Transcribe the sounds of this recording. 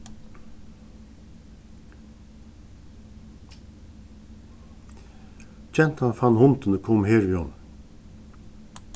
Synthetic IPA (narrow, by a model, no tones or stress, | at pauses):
t͡ɕɛn̥t̪hanfanhʊnt̪ənəkʰɔmheːɾʋiːhɔn̩